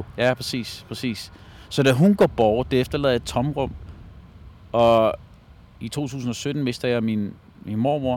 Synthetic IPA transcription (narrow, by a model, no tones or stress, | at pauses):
jæpʰʁsḭːspʰʁɛsḭːs | sɒ̽d̥æɦunɡ̥ɒ̰b̥ɒʊd̥eefd̥ɐlɛð̞ˠjɑd̥̚t͡sʰɒ̽mʁɔ̽m̰ | ɒ̽ | it͡sʰo̝̰ːt͡sʰṵːs̬n̩ɒ̽sød̥n̩me̝sd̥ɐjɑ̈min | minmo̝ɐmo̝ɐ̰